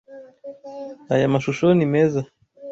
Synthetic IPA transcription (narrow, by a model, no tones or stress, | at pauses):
a̰jamaʃuʃɔnimɛza